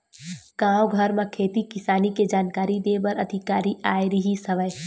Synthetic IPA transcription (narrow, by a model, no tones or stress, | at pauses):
ɡ̥ãːoɡʱəɾmẽkʰeːt̪ikɪsaːniked͡ʒaːnkaːɾid̪ebəɾɐd̪ʱɪkaːɾiaːjɾiɦisɐʋəj